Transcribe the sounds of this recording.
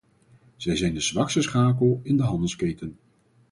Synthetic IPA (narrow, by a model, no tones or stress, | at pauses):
z̥ɛjzɛjndəzʋɑksəsχaːkəlˠɪndəɦɑndəskejtən